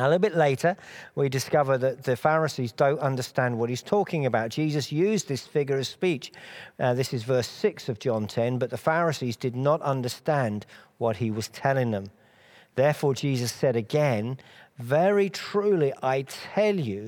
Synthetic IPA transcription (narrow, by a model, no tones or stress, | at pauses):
ʊlɾɪɾl̩ˠbɪtˡleɪɾə˞widɨskʌvə˞ðɨt̪̚ðɨfæɹɨsizdõʊ̃ntʌ̃ndə˞stæ̃nd̚wʌt̚hiz̥tʰɔkɪ̃ŋɨbaʊt̚d̥ʒ̥izɨsjʉzðɪsfɪɡjə˞ʌv̥spit͡ʃðɪsɨzvɜ˞sɪksʌvd͡ʒɑ̃ntʰɛ̃nbʌt̪̚ðəfæɹɨsizdɨdⁿnəɾʌ̃ndə˞stæ̃nd | wʌt̚hiwʌz̥tʰɛlˠɪ̃ŋðə̃m | ðɛɹfɔɹd͡ʒizɨsɛɾɨɡɛ̃nvɛɹitʰɹ̥ʉliʔaɪtʰɛlˠjʉ